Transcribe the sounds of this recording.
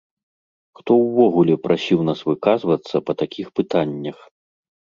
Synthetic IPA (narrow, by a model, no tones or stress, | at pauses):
xt̪ɔwvɔɣulʲɛpɾʔasʲiwnasvɨkazvɐt̪sːɐpɐt̪akʲʰixpɨt̪anʲːɐx